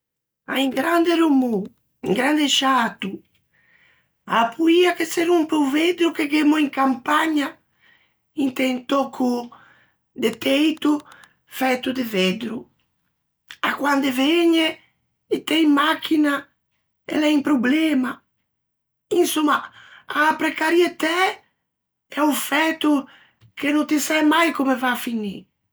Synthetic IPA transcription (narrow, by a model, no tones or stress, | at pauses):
a̰iŋɡɾand̪eɾumu | iŋɡɾand̪eʃat̪u | apʰuiakeseɾumpɾuved̪ɾukeɡemuiŋkampaɲa | int̪ɛjnt̪ɔkʰu | d̪et̪ɛjt̪u | fɛt̪ud̪eved̪ɾu | akwand̪eveɲe | it̪ɛjmakina | ḛlɛjmpɾoblɛma | insumaapɾɛkaɾjet̪ɛ | ɛufɛt̪u | kenõnt̪isɛjmajkomevaːfinḭ